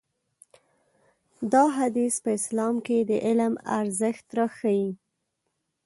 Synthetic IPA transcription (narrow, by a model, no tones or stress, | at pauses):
d̪ɑɦad̪ispəɪslɑmked̪əʔɪlma̰ɾzəxt̪ɾɑxaji